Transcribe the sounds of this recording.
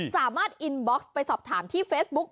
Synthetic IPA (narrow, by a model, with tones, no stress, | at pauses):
saː˩˦maː˥˩t̪̚ʔi˧nbɔː˦˥kspa˧jsɔː˨˩p̚t̪ʰaː˩˦mt̪ʰiː˥˩feː˦˥sbu˦˥k̚